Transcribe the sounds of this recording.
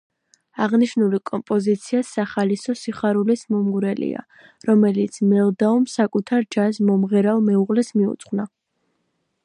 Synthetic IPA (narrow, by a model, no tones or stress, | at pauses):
aʁniʃnulikʼɔmpʼɔzit̪sʰiasaχalisɔsiχaɾulismɔmɡuɾɛlḭa̰ | ɾɔmɛlit̪sʰmɛlˠd̪aumsakʼut̪ʰaɾd͡ʒazmɔmʁɛɾalˠmɛuʁlɛsmiṵt̪sʰʼχwna